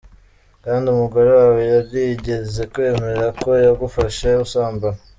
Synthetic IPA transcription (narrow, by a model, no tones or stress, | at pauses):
kaːndiumuɡoɾowawejaɾɡiɟe̞ze̞kwe̞ːme̞ɾako̞jaɡufaʃausaːmban